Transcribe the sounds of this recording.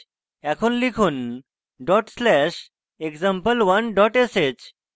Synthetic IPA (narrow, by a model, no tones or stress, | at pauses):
ɛkʰuːnlikʰuːn | ɖɔʈslɛɕ | ekd͡zampəlʋənɖɔʈeset͡ɕ